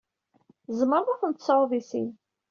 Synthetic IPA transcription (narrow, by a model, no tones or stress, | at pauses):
zˤməɾðʊθənt̪sˤɾðˤisḭn